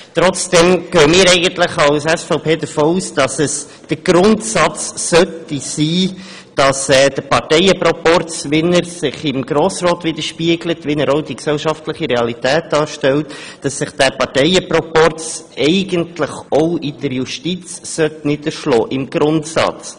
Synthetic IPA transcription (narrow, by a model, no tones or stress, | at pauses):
t̪ɾɔt͡sd̥ɛmɡ̥øːəmɪːɾɛɪɡəntlɪχɑwsɛsfoʊpʰeːd̪əfoːuːsd̥ɑsəs | d̥əɡ̥ɾʊntsɑt͡sːœtisiː | d̥ɑsɛːd̥əpɑɾtɛjəpɾɔpɔrt͡sʋɛnəɾsɪχɪmɡ̥ɾoːsɾoːt̪ʋɪd̪əɾʃpiəɡlətʋɪnəɾoʊdiksɛlʃɑftləχiɾɛɑlitɛːt̚d̥ɑːɾʃtɛltd̥ɑsːɪχd̥æpɑɾtɛɪəpɾɔpɔrt͡sɛɪɡəntlɪχoʊɪd̥əɾjuʃtit͡ssœtnɪdəɾʃlɔ̰ːʔɪmɡ̥ɾʊntsɑ̰t͡s